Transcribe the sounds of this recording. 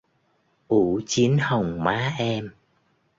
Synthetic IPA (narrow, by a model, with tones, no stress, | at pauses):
ʔu˧˩˦t͡ɕi˨˦ənhə˨˩wŋ͡mmaː˨˦ʔɛ˧m